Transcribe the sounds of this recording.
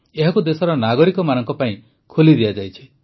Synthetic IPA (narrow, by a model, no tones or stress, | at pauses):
eɦakud̪esɔɾɔnaɡɔɾikɔmanɔŋkɔpaĩ | kʰolid̪iad͡ʒajt͡ʃʰi̥